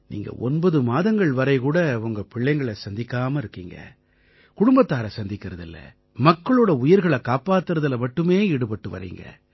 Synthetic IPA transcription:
nḭːŋɡɐ̰ʔɔnbɐðɯmaːðɐŋɡɐɭʋɐɾɐɪkuːɽɐʊŋɡɐpɪɭːɐɪŋɡɐɭɐsɐnd̪ɪkːaːmɐɪɾɯkːiːŋɡɐ̰ | kʊɽʊmbɐt̪ːaːɾɐsɐnd̪ɪkːɪɾɐðɪlːɐ̰ | mɐkːɐɭoːɽɐʊjɪɾɣɐɭɐkaːpaːt̪ːɯɾɐðɐlɐmɐʈːɯmeːɪɽɯpɐʈːɯʋɐ̰ɾḭːŋɡɐ̰

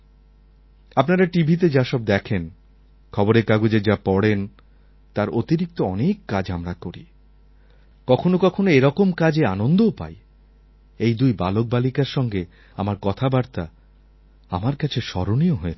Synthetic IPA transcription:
apnaɾaʈibʱit̪̬ed͡ʑaʃɔb̚d̪ɛkʰen | kʰɔboɾekaɡud͡ʑed͡ʑapɔɽen | t̪aɾot̪iɾik̚t̪oɔnekːad͡ʑamɾakoɾḭ | kɔkʰonokɔkʰonoeɾɔkomkad͡ʑeanond̪owpa̰j | ejd̪ujbalok̚balikaɾʃɔŋɡe | amaɾkɔt̪ʰabaɾt̪a | a̰maɾkat͡ɕʰeʃɔ̰ɾonioɦoe

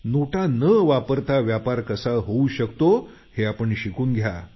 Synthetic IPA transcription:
noʈʰanəʋapəɾt̪ʰaʋjapaɾkəsaɦouɕəkt̪o | heapəɳɕikuːnɡʱja

